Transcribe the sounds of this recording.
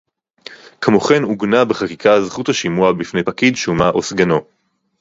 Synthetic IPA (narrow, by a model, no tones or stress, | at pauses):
kmoχe̞nuɡnabeχakikʰazχuthaʃimuabifnejpakidʃumaʔosɡano̞